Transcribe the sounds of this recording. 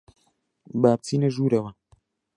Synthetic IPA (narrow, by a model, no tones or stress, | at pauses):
baːb̚t͡sʰiːnɐʒuːɾɐwɐ